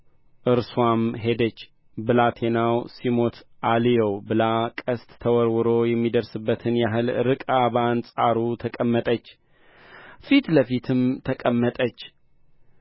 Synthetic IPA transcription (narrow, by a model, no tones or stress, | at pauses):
ʔɨɾswʷamɦe̞d̪ət͡ʃː | bɨlat̪ʰe̞nawsimot̪ʰʔalijowbɨlakʼəst̪ːʰəwɔɾwɨɾojɛmːid̪əɾsɨbːət̪ʰɨnjaɦɨlɾɨkʼaβansʼaɾut̪ʰəkʼəmːət̪ʼət͡ʃː | fit̪ləfit̪ʰɨmt̪ʰəkʼəmːət̪ʼət͡ʃː